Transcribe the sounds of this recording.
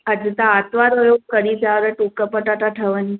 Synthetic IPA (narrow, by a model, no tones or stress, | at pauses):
əd͡zut̪aːt̪ʋaɾojokəɽiːd͡zaʋɾəʈukəpəʈaʈ̪aʈʰəʋəni